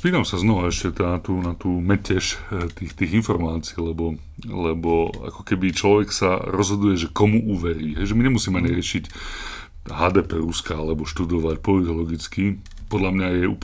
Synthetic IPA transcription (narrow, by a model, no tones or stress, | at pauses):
spiːt̪amsaznɔʋaɛʃcɛt̪aːt̪uːnat̪uːmɛcɛʃt̪iːxt̪iːɣinfɔɾmaːt͡si̥ːlɛbɔ | lɛbɔa̰kɔ̥kɛbit͡ʃlɔʋɛksa̰ɾɔzɦɔd̪ujɛʒɛkɔmuʔuːʋɛɾiːɦɛjʒɛmiɲɛmusiːmɛaɲiɾɪɛʃic | ɦaːd̪ɛːpɛːɾuskaalɛbɔʃt̪ud̪ɔʋacpɔlit̪ɔlɔɡit͡ski | pɔd̪lamɲajɛṵːp